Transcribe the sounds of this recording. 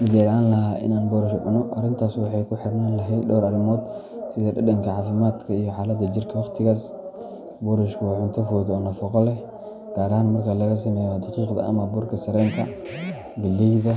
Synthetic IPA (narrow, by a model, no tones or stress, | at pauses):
mʊd͡ʒɛːlʕaːnlɐɦaːʔɪ̰naːnbɔɾʊʃʔʊ̰nɔʔɐrɪnt̪ʰaːswɑħɑjkʰʊħɪrnanlɐɦɛjd̪dɔːɾɐɾɪmɔːd̪ | sɪðɛdɐdɐŋkʰɐʕaːfɪmaːd̪kʰɐijɔħaːlɐd̪ɐd͡ʒɪrkʰɐwɑqt̪ʰɪɣaːs | bɔːɾʊʃkʰwaːʕʊnt̪ʰɐfɔːðɔːnɐfɔqɔlɛ | ɡ̥aːɾɐhaːnmɐrkʰalɐɣɐs̬ɐmɛːjɔd̪ɑqiːqd̪ɐ̰ɐ̰mɐbʊrkʰɐsɐɾɛːŋk̪ʰɐ | ɡɪlːɛjðɐ